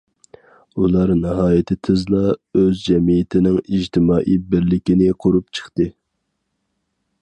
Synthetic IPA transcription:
ulˠɑɾnɪɦɑːjɪt̪ʰɪt̪ʰɨzlˠɑøzd͡ʒɛmijɪt̪ʰɪnɪŋiʒt̪ʰɪmɑːʔibɪɾlɪkʲinɪqʰoɾup̚t͡ʃʰə̥χt̪ɨ

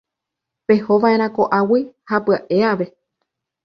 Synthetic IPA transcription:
pe̞ho̞ʋãʔẽ̞ɾ̃ãko̞ʔawihapɨaʔe̞aʋe̞

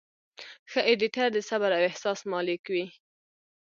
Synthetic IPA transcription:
xəʔeɖiʈaɾd̪əsabaɾawɪhsɑsmɑlɪkwi

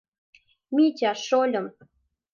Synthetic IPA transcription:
mʲit͡ɕʲaʃolʲɤ̆m

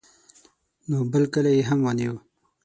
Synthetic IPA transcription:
nobəlkəlajeɦamwɑniwu

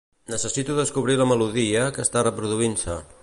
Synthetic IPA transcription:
nəsəsit̪uðəskuβ̞ɾiləməluðiəkəst̪arəpɾuðuinsə

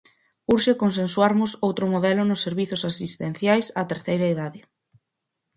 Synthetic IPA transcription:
uɾʃekons̬enswaɾmʊsowt̪ɾʊmoðɛlʊnʊsːeɾβiθʊsasist̪en̟θjajsat̪eɾθejɾɐeðaðɪ

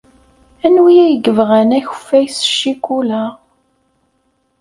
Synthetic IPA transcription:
ænwijæjəɡəvʁænæçə̥fːæjsʃikːulæ

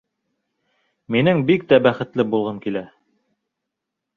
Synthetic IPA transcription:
minɘŋbik̚t̪æbæχɘ̆t̪lɘbulˠʁɤmkilæ

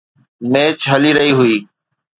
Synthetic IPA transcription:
meːt͡ʃɦəliːɾəɦiːɦʊiː

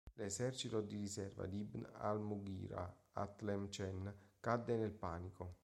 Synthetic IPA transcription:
lesɛrt͡ʃit̪od̪irisɛrva̰d̪ibna̰lmuɡḭːɾa̰a̰t̪lɛmt͡ʃɛnkad̪ːenelpaːniko

